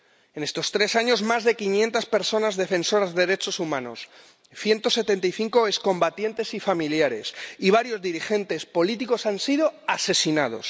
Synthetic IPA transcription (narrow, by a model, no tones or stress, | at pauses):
e̞ne̞st̪o̞st̪ɾe̞saɲo̞zmazðe̞kinjẽ̞nt̪aspe̞ɾso̞nazðe̞fe̞nso̞ɾazðeðeɾe̞t͡ʃo̞sumãno̞̰s | θje̞nt̪o̞se̞t̪e̞nt̪̬ajθiŋko̞eskõ̞mbat̪je̞nt̪e̞sifamiljaɾe̞siβ̞aɾjo̞zðiɾixe̞nt̪e̞spo̞lit̪iko̞sansiðoase̞sinað̞o̞̰s